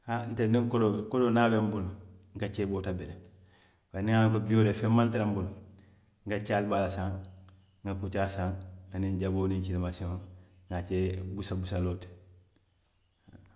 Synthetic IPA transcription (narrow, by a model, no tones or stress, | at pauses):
hanteniŋkolokolonaːbembulŋkat͡ʃeːbotabele | baniŋaŋkobioːɾefemːantiɾambul | ŋɡat͡ʃaːlbalasãŋ | ŋɡakut͡ʃaːsaŋaniɲɟaboːniɲt͡ʃilemasiõŋat͡ʃebusabusaloːt | a